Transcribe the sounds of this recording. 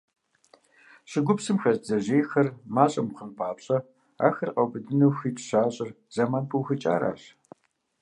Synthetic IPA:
ɕɪɡʷʊpsɨmxɐzd͡zɐʑeːjxɐrmaːɕʼɐmqənpʰaːpɕʼɐ | a̰ːxɐrqɐwbɨdɨnɐwxiːtʰɕaːɕʼɪr | z̥ɐmaːnpʰuwxɨt͡ʃʼa̰ːɾa̰ːɕ

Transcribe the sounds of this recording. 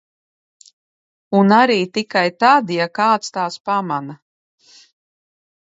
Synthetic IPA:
unaɾiːt̪ikajt̪ad̪jakaːt̪st̪aːspamana

